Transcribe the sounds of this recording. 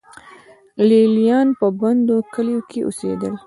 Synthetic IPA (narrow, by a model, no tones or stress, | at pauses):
lelijɑnpəband̪okəlijokeʔo̰sḛd̪əl